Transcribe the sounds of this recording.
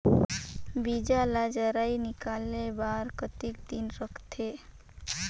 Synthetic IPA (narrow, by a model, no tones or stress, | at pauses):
bid͡ʒalad͡ʒəɾainikalebaɾkət̪ikd̪inɾəkʰt̪ʰe